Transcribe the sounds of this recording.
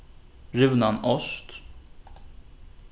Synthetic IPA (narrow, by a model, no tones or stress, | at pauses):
ɾɪvnanɔst̪